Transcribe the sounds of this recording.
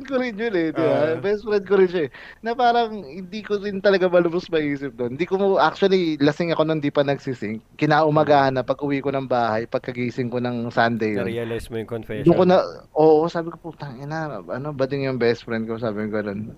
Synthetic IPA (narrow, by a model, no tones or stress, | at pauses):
koɾɪnjʊnɛd̪ɪbabɛst̪̚fɾɛnd̪̚koɾɪnʃaɛ | nɐpaːɾɐŋhɪnd̪iːkoɾɪnt̪ɐlɐɡamɐlʊbʊsmɐʔiːsɪp̚d̪ond̪iːkoʔak̚t͡ʃʊɐlilɐsɪŋɐko̞nɐɪnd̪ipɐnɐɡsɪsɪŋ̚kɪnaːʔʊmɐɡaːhɐnːɐpɐɡʔʊwikonɐŋbaːhɐjpɐɡ̚kɐɡiːsɪŋkonɐŋsand̪ejo̰nsd̪ʊŋkonɐʔoːʔo̞saːbɪkopot̪ɐŋɪnaʔɐno̞bɐd̪ɪŋjʊŋbɛst̪fɾɛnd̪kosaːbɪŋɡɐno̞n